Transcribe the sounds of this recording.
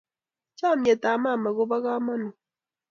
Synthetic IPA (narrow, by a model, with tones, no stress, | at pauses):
t͡ʃa˦˨mje˨ta˨ma˦˨ma˨ɣo˦ba˦ɣa˦ma˦nʊ˨